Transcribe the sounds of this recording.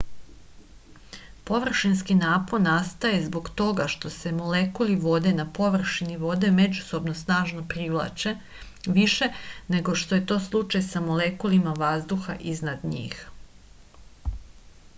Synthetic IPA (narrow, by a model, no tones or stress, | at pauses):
po̞ʋr̩ʃinskinaːpo̞nast̪aje̞zbo̞ɡt̪o̞ɡaʃt̪o̞se̞molekuliʋo̞d̪e̞napo̞ʋr̩ʃiniʋo̞d̪e̞me̞d͡ʑuso̞bnosnaːʒnopɾiʋlˠa̰t͡ʃe | ʋiʃe̞ne̞ɡo̞ʃt̪o̞je̞t̪o̞ːslˠut͡ʃajsamolekulimaʋazd̪uxa̰ʔiznad̪ɲḭːx